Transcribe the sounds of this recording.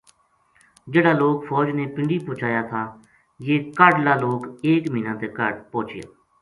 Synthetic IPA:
d͡ʒeːɽaːloːkfʰɔːd͡ʒneːpɪ̃ɳɖiːpõːt͡ʃʰaːjaːt̪ʰaː | jeːkəɖlaːloːkeːkmĩːnãːt̪eːkəɖpõːt͡ʃʰɪja̰ː

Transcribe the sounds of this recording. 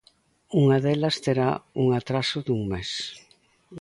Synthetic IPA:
uŋaðelɐst̪eɾauŋat̪ɾasʊðuŋmes

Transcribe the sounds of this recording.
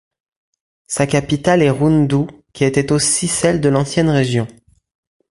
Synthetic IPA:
sakapit̪alɛʁund̪ukʲiet̪ɛt̪osisɛld̪əlɑ̃sjɛnʁeʒjɔ̃

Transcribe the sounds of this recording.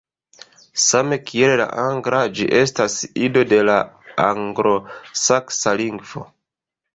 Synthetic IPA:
same̞kʰie̞lla̰ʔaŋɡɾad͡ʒiʔe̞stasido̞de̞laaŋɡɾo̞saksaliŋɡvo̞̰

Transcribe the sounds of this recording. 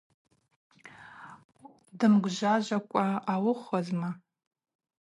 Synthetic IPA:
dɨmɡʷʒʷaʒʷakʷʼaawʊχʷazma

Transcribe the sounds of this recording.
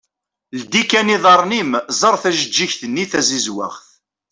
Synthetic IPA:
ld̪ikːæniðˤɑɾˤnimzˤɑɾˤθæʒəd͡ʒːiçθənːiθæzizwa̰ʁθ

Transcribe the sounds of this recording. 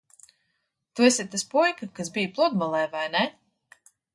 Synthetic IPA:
t̪uesʲit̪aspujkakasbijplˠud̪̚balˠɛjvajnɛ

